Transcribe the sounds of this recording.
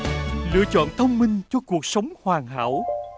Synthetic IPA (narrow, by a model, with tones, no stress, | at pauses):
lɨ̰˧˥ət͡ɕɔ̰˧˨nt̪ʰə˧wŋ͡mmï˧ŋ̟t͡ɕɔ˧ku˨˩ək̚sə˨˦wŋ͡mhwaː˨˩ŋɦa̰ː˧˥˨w